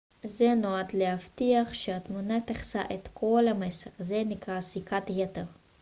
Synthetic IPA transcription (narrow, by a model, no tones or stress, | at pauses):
zenoad̪lehaft̪iaχʃeat̪munat̪eχsa̰ʔet̪kʰolameseʁzenikʁasikat̪jet̪eʁ